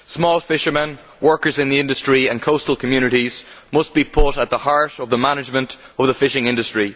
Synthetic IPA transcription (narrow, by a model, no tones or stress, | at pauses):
smɔlˠfɪʃə˞mə̃n | wɜ˞kə˞zɪ̃nðiɪ̃ndəstɹ̥iə̃nkʰoʊstəlˠkʰəmjʉnɪɾiz̥ | mʌs̚b̥ipʰʊɾət̪̚ðəhaɹɾəvðəmanɪd͡ʒmə̃nt | ʌvðəfɪʃɪ̃ŋɪ̃ndəstɹ̥i